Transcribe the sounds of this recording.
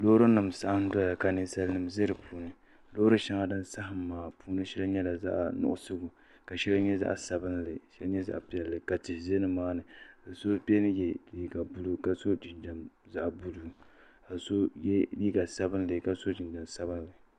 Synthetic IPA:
lo˦ɾɨ˦nɨ˨msa˦ʔa˦n˦da˦ja˨ka˨nɨ˦sa˦lnɨ˨mzɨ˦ɾɨ˨pʰuː˦nɨ˨ | lo˦ɾɨ˦ʃɛ˦ŋa˦dɨ˦nsa˦ɦɨ˨mːaː˨puː˦nɨ˦ʃɛ˦lɨ˦ɲɛ˦la˨za̰˦ʔnʊ̰˨ʔʊ˨sʊ˦ɡʊ˨ | ka˨ʃɛ˦lɨ˦ɲɛ˦za̰˦ʔsa˨bɨ˦nlɨ˨ʃɛ˦lɲɛ˦za̰˦ʔpi˦ɛ˨lːɨ˨ka˨tɪ˨ze˦nɨ˦maː˦nɨ˨a˨so˦pi˦ɛ˦nɨ˦jɛ˨liː˦ɡa˨bu˦lu˦ka˨so˦d͡ʒɪ˨nd͡ʒa˨mza˦ʔbu˦lu˦ | ka˨so˦jɛ˦liː˦ɡa˨sa˦bɨ˦nlɨ˨ka˨so˦d͡ʒɪ˨nd͡ʒa˨msa˦bɨ˦n˦lɨ˨

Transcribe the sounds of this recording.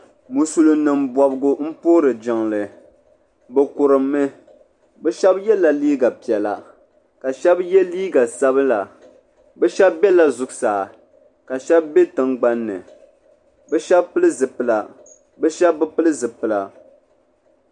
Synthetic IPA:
mu˨su˨lɨ˨nɨ˨mbɔ˨bɨ˦ɡʊ˦m̩˦poː˦ɾɨ˨d͡ʒɪ˨ŋlɨ˨ | bɛ˨kʊ˨ɾɨ˨mːɨ˦ | bɛ˦ʃɛ˦bjɛ˦la˨liː˦ɡa˨pi˨ɛ˨la̰˨ | ka˨ʃɛ˦bjɛ˦liː˦ɡa˨sa˦bɨ˦la˨ | bɛ˦ʃɛ˦bːɛ˦la˨zʊ˨ɡsaː˨ | ka˨ʃɛ˦bbɛ˦tɨ˦ŋɡ͡ba˦nːɨ̰˨ | bɛ˦ʃɛ˦bpɨ˦lɨ˦zɨ˨pɨ˨la˨ | bɛ˦ʃɛ˦bːɨ˦pɨ˦lɨ˦zɨ˨pɨ˨la˨

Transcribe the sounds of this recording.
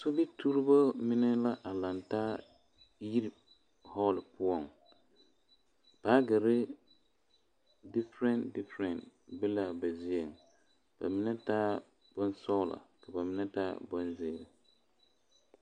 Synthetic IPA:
so˦bɪ˦tʰu˦ɾɪ˦bo˦mɪ˦nɛ˦la˦ʔa˨la˨ntaː˦ | ji˦ɾi˨ | hɔ˦lɪ˨pʊ˦ɔ˨ŋ | b̥aː˦ɡɪ˨ɾɪ˦ | dɪ˦fɾɛ˨ndɪ˦fɾɛ˨nbɪ˦la˨ba˨zɪ˦e˨ŋ | b̥a̰˨mɪ˦nɛ˦taː˦ | b̥ɔ˦n˦sɔ˦la̰˨ka˨ba˨mɪ˦nɛ˦taː˦bɔ˦nzɪː˦˨ɾɪ˨

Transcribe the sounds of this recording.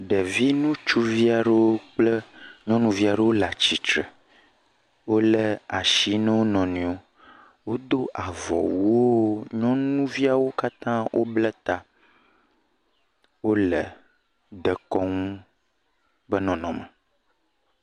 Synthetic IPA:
ɖɛ˨vi˦nũ˦t͡ʃu˦vi˦a˨ɖə˦wo˦k͡ple˦ɲɔ̃˦nũ˦vi˦a˨ɖə˦wo˦la˨t͡ɕi˨t͡ʃɾə˨ | wo˦lɛ˦a˨ʃi˦nɛ̃˦wo˦nɔ̃˨nĩ˨o˦ | wo˦d̪o˦ʔa˨vɔ̰˨wu˦o˦ɲɔ̃˦nũ˦vi˦a˨wo˦ka˦t̪ã˦wʔo̰˦blɛ˦t̪a˨ | wo˦lɛ˨ | d̪ɛ˨kɔ˦ŋũ˦ | bə˦nɔ̃˨nɔ̃˨mə̃˨

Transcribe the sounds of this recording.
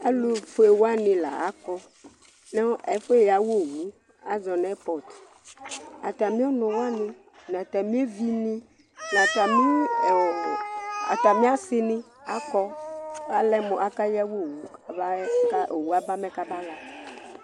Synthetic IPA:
a˦lo˦fo˦e˨wo˦a˦nɪ̃˨la̰˨a˨˦kɔ˦ | nɛ˦ɛ˨fe˦˨ja˨wo˦˨wu˦ | a˦zɔ˨nɛ˦pɔ˨t̪ | a̰˨t̪a˨mĩ˦ɔ˦nɔ̃˨wo˦a˦nɪ̃˦ | n˨ã˨t̪a˨mĩ˦e˦vi˦nĩ˦ | n˨ã˨t̪a˨mĩ˦˨ | a̰˨t̪a˨mĩ˦a˦sɪ˦nɪ̃˦ | a˦kɔ˦a˦lɛ˦mɔ˨ʔa˦ka˦ja˦wo˦˨wu˦˨ba˦ka˦ʔe˨wu˦a˦ba˦mɛ˦ka˦ba˦la˨

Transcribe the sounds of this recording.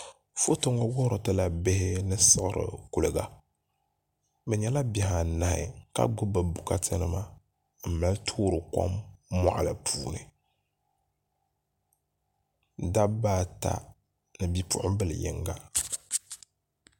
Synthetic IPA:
fo˦tɨ˦ŋɔ˦wɔ˦hɾɨ˨tɨ˦la˨be˦hɪ˦nɨ˦sɨ˦ɣɨ˦˨ɾɨ̰˨ku˨lɨ˨ɡa˨ | bɛ˨ɲɛ˦la˦bɛ˨ha˨na˨hɪ̰˨ka̰˦ɡ͡bʊ˦bɨ˨bu˨ka˦tʰɨ˦nɨ˦ma˦ | m̩˨ma˦ltʰoː˦ɾɨ˨kɔ̰˦mːa̰˦˨ʔa˨la˨pʰuː˦˨nɨ̰˨ | da˦baː˦˨ta̰˦ | nɨ˨bi˦pʊ̰˦ʔʊ˦bɨ˦l̰jɪ̰˦ŋɡa˦

